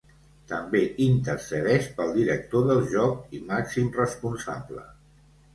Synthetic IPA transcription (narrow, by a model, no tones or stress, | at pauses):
t̪əmbeʔint̪əɾsəðɛʃpəlˠd̪iɾək̚t̪oðəlˠʒɔkimaksimrəspunsa̰blə̰